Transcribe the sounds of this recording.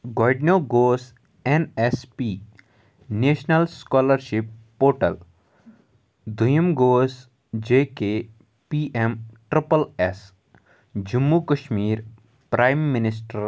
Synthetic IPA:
ɡɔːɖnjoːɡoːs | enespiː | neːʃnəlskɔːləɾʃipːoːʈəl | d̪ʱujəmɡoːs | d͡ʒeːke | piʔemʈɾipəles | d͡ʒumːukəʃmiːɾ | pɾaːjmːɪnɪsʈəɾ

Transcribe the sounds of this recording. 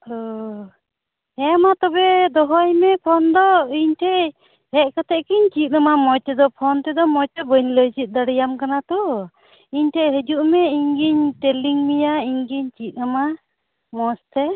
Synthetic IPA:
hɔ | ɛmat̪ɔbɛd̪ɔɦɔjmɛpʰɔnd̪ɔiɲʈʰɛ | hɛʔ̚kat̪ʰɛʔkiɲt͡ʃit̪̚ˀnamamɔjt̪ɛd̪ɔpʰɔnt̪ɛd̪ɔmɔjtɛbəɲləjsit̪̚ˀd̪aɽijamkanat̪ɔ | iɲʈʰɛɦəd͡ʒuʔmɛiɲɡiɲtɛliŋmijaiɲɡiɲt͡ʃit̪̚ˀnama | mɔst̪ʰɛ

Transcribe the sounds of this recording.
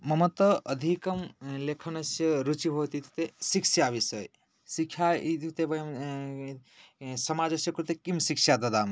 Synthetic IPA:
mɐmɐt̪ɐɐd̪ʱikɐmlekʰɐnɐsjɐɾut͡ʃibʱoːt̪it̪u̥t̪esikʃjaːʋisɐj | sikʰjait̪it̪ebɐjɐm | sɐmaːd͡ʒɐsjɐkuɾt̪ekimsikʃjad̪ɐd̪aːm

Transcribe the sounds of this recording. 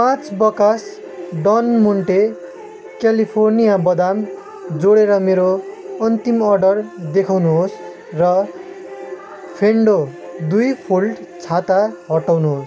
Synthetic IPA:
pãt͡sbʌkas | ɖʌnmuɳʈe | kjalipʰornijabʌd̪am | d͡zoɽeɾʌmeɾoʌnt̪imʌrɖʌrd̪ekʰawnuɦos | rʌ | pʰeɳɖod̪ujpʰulʈt͡sʰat̪aɦʌʈawnuɦos

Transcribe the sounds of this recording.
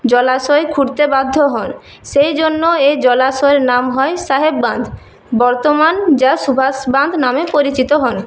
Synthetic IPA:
d͡ʑɔlaʃoekʰuɾt̪ebad̪ʱːoɦɔn | ʃejd͡ʑonːoed͡ʑɔlaʃoeɾnamɦɔeʃaɦebːand̪ʱ | bɔɾt̪omand͡ʑaʃubʱasband̪ʱnamepoɾit͡ɕit̪oɦɔn

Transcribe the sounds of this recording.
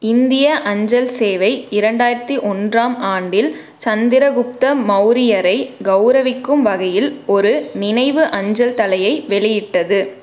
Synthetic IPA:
ɪnd̪ɪjɐʔɐɲd͡ʒɐlseːʋɐɪɪɾɐɳɖaːjɪɾɐt̪ːiʔɔndraːmaːɳɖɪl | t͡ʃɐnd̪ɪɾɐɣʊp̚t̪ɐmɐʊɾɪjɐɾɐɪɡɐʊɾɐʋɪkːɯmʋɐɣɐjɪlɔɾɯnɪnɐɪʋɯʔɐɲd͡ʒɐlt̪ɐlɐjɐɪʋɛɭɪjɪʈːɐðɯ

